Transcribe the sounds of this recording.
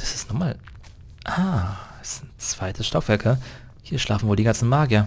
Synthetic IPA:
d̥ḁsɪ̥stnɔχmaːl | ʔaːɛsnt͡sv̥aɪtʰəsʃtakv̥ɛɐkʰɐ | hiːɐʃlʔaːfn̩voːldiɡant͡sn̩maːɡjɐ

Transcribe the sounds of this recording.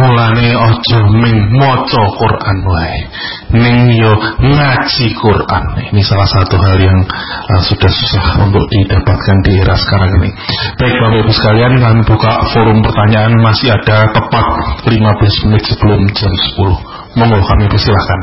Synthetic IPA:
mulaneɔ̥d͡ʒ̥ɔhmɪŋmɔt͡ʃɔkurʔanwae | nɪŋjɔŋat͡ʃikurʔa̰ninisalahsat̪uɦaljaŋəsud̥ahsusahṵnt̪ʊ̰k̚d̥id̥apat̪̚kandieɾasə̥kaɾaŋnɪ̰b̥aɪk̚b̥awaʔbusə̥kaliankamib̥ukaʔfoɾʊmpərt̪aɲaʔanmasɪɦad̥at̪əpat̪̚limabəlasmənɪt̪̚səb̥əlʊmd͡ʒamsə̥pulʊh | mɔŋɔkamipərst̪ilahkan

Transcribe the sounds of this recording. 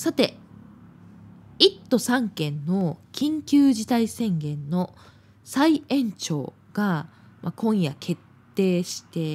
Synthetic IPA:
sat̪e̞ | it̪ːo̞sãŋkẽ̞nːo̞kʲʰĩŋkʲɨːʑit̪aisẽ̞ŋɡẽ̞nːo̞ | saiẽ̞ɲ̟t͡ɕo̞̰ː | ɡ̥a | makʰõ̞ɰ̃jakʰe̞t̪ːe̞ːɕi̥t̪e̞

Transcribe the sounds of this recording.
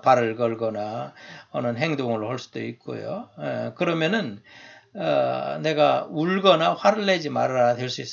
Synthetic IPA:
paɾɯɭɡʌɭɡʌnaʌnɯnɦeŋdoŋɯɭhʌɭs͈u̥d̥o̰ik̚k͈o̰jo̰ḛkɯɾʌmjʌnɯn | ʌ̰ne̞ɡauɭɡʌnaɸwaɾɯɭːe̞d͡ʑimaɾadwe̞ɭs͈uis͈

